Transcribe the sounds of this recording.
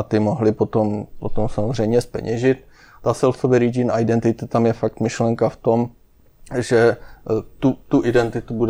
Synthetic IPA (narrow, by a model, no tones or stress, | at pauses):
at̪ɪmoɦlɪpot̪ompot̪omsamozr̝ɛjmɲɛspɛ̰ɲɛʒɪt̪̚ | t̪asɛlsovɛɾid͡ʒinajdɛnt̪ɪt̪ɪt̪amjɛfak̚t̪mɪʃlɛŋkaft̪o̞m | ʒɛ | t̪ut̪uʔɪdɛnt̪ɪt̪ubud